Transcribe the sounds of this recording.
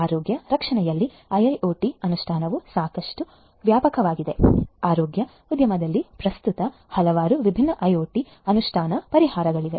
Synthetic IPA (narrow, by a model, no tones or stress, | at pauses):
aːɾoːɡjɐɾɐkʂɐɳɛjɐlːi | ɐjɐjʔoːʈiɐnuʂʈʰaːnɐʋusaːkɐʂʈu | ʋjaːpɐkɐʋaːɡid̪e̞aːɾoːɡjɐ | ud̪jɐmɐd̪ɐlːipɾɐst̪ut̪ɐ | hɐlɐʋaːɾuʋibʱinːɐʔɐjoːʈi | ɐnuʂʈʰaːnɐpɐɾihaːɾɐɡɐɭiʋe̞̰